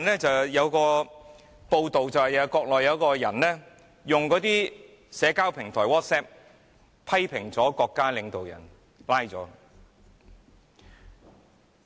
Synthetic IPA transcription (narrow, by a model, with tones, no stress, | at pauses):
nlɛː˥t͡sɐ˨wjɐ˨˧wkɔː˧ | po˧wt̪o˨wt͡sɐ˨whɐ˨jɐ˧kɔː˧k̚lɔː˨jɐ˨˧wkɔː˧jɐ˨˩nlɛː˥ | jʊ˨ŋkɔː˨˥t̪iː˥ | sɛː˨˧kaː˥wpʰɪ˨˩ŋt̪ʰɔː˨˩wɔː˥t̚sɛː˥p̚ | pʰɐ˥jpʰɪ˨˩ŋt͡sɔː˨˥kɔː˧kːaː˥lɪ˨˧ŋt̪o˨wjɐ̰˨˩n | laː˥jt͡sɔː˨˥